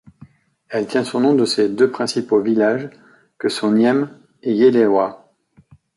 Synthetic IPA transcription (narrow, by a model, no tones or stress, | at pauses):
ɛlt̪jɛ̃sɔ̃nɔ̃d̪əsed̪øpχɛ̃sipovilaʒ | kəsɔ̃njɛm | ejelewa